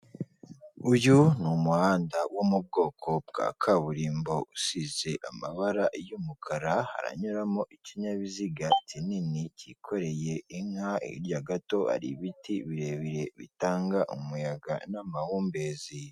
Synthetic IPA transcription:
ujunumuhaːndawʔomub̚ɡo̞ːkʰo̞b̚ɡa̰ːkʰaβuɾiːmbo̞usize̞ʔamaβaɾaʔjumukʰaɾaha̰ɾa̰ɲuɾamoʔiciɲaβiziɡatʰininicikʰo̞ɾe̞jeiŋhaʔḭɾjaɡato̞a̰ɾḭβitiβiɾe̞βiɾe̞βḭtaːŋɡaʔumujaɡa̰namahuːmbe̞ːzi

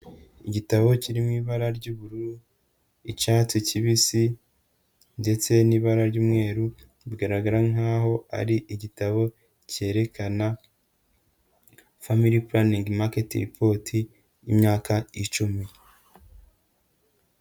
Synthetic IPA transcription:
iɟitaβo̞ciɾimiːβaɾaɾɟuːβuɾuu | it͡ʃaticiβisi | nde̞t͡se̞niːβaɾaɾɟuːmŋe̞ːɾu | bɡaɾaɡaɾaŋaːɦo̞a̰ɾiʔiɟitaβo̞ | ce̞ːɾe̞kana | famiɾipuɾaniŋɡmaketḭɾipʰo̞ːtʰiː | mɲaːkait͡ʃumi

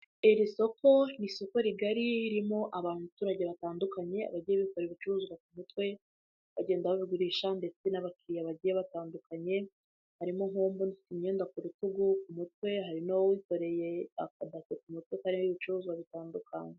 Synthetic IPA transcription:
iɾiso̞ko̞niso̞ko̞ɾiɡaɾiiɾimo̞ʔaβamtuɾaɟeβataːndukaɲe̞a̰βaɟijeβikoɾeβit͡ʃuɾuzwak̚umutwe̞ | βaɟe̞ːndaβaβiɡuɾiːʃande̞t͡senaβakiɾijaβaɟijeβataːndukaɲe̞ | haɾimo̞ŋ̥hoːmbonifi̥timɲe̞ːndakuɾutuɡukumutwe̞ɦaɾinowowiko̞ɾe̞jeakadasek̚umutwekaɾimoiβit͡ʃuɾuːzwaβitaːndukʰaɲe

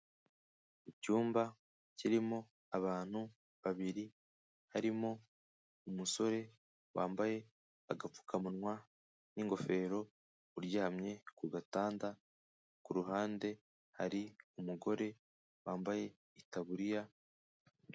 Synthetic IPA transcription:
icuːmba | ciɾimo̞ | aβaːn̥hu | βaβiɾi | haɾimo̞ | umuso̞ɾe̞ | waːmbaje̞ | aɡap͡fu̥kʰamunŋwa | niŋɡo̞fe̞ːɾo̞ | uɾjahamɲe̞kuɡataːnda | kuɾuɦaːnde̞ | haɾiumuɡo̞ɾe̞ | waːmbaje̞ | itaβuɾija

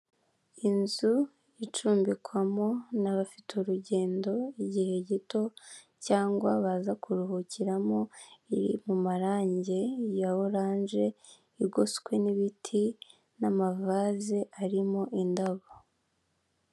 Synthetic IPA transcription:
inzu | it͡ʃuːmbikwamo̞naβafituɾuɟe̞ːndo̞iɟihe̞ɟito̞ | caːŋɡwaβazakuɾuhuciɾamo̞iɾḭmumaɾaːɲɟe̞jawoɾaːnʒe̞ | iɾɡoskwe̞niβitʰi | namavaːzeʔaɾimo̞ʔindaβo

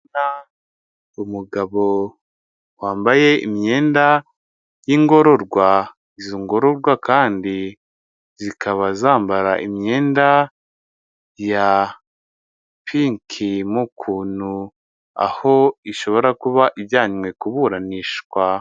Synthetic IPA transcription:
na | umuɡaβo̞ | waːmbaje̞ḭmɲe̞ːnda | jiŋɡo̞ɾo̞ɾɡwa | izoŋɡo̞ɾo̞ɾɡwakaːndi | zikʰaβazaːmbaɾaʔimɲe̞ːnda | ja | piŋkʰimukʰuːnhu | a̰ho̞iʃo̞βo̞ɾakuβaʔiβjaːɲwe̞kuβuɾaniʃɡwa

